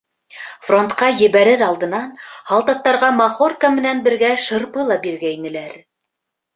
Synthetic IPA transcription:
fro̞nt̪qɑjɘ̆βæɾɘɾɑlˠd̪ɤ̆nɑnhɑlˠt̪ɑt̪ːɑɾʁɑmɑχorkamɘ̆nænbɘ̆ɾɡæʃɤ̆ɾpɤlˠɑbiɾɡæinɘ̆læɾ

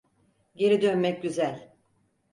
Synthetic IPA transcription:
ɟe̞ɾid̪ønmɛc̚ɟyzælʲ

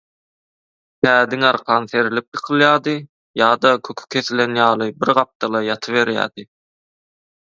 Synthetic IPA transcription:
t̪ʰæːd̪iŋɑɾqʰɑnθe̞ɾilip̚jɯqʰɯlˠjɑːd̪ɯ | jɑːd̪ɑkʰøkʰy̥kʲʰe̞θilenjɑːlˠɯbiɾʁɑp̚t̪ɑlˠɑjɑt̪ʰɯβe̞ɾjæ̰ːd̪̥ɯ

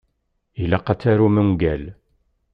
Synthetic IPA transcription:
ilæqɑt͡sːæɾuməŋɡæl

